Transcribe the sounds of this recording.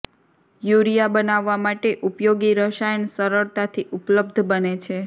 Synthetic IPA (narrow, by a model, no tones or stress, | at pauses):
juɾijabənaʋːamaʈeʔupjoɡiɾəʃajənsəɾəɭt̪at̪ʰiʔupləbd̪ʱbənet͡ʃʰe